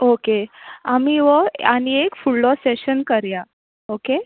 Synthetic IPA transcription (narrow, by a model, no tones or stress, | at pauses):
okeamiʋəañiekfulːɔseɕənkəɾja | oke